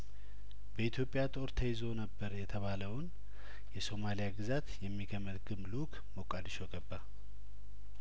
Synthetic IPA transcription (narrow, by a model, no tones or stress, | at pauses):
b̥əit̪ʰjo̞pʼːjat̪ʼo̞ɾt̪ʰəjɪzo̞nəbːəɾjɛt̪ʰəβaləwn | jɛso̞malijaɡɨzat̪jɛmːikʰəmət̪ɡɨmlukʰʼ | mokʼad̪iʃoɡəbːa